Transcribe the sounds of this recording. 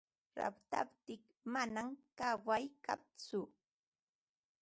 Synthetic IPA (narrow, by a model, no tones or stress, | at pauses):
ɾa̰pt̪a̰pt̪ɪk | manamkawajka̰pt͡sʊ